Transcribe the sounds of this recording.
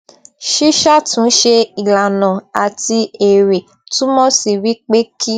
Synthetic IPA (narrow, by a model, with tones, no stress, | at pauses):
ʃi˦ʃa˦˨tũ˨˦ʃe˧i˨la˨nã˨a˨ti˧e˨ɾe˨ | tũ˦mɔ̃˦si˨ɾi˦k͡pe˦kʰi˦